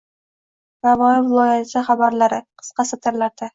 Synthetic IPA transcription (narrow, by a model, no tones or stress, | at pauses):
ɾavɒjɪvɪlˠɒjasɪχabaɾlaɾɪqʰɨ̥sqɑsat̪ʰɪɾlaɾd̪ɪ